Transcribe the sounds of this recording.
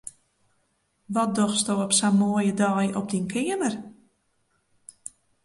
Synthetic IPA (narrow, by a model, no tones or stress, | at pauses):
ʋɔt̚dɔxsdowɔpsamoːjədɔːjɔp̚dinkʰɪəmər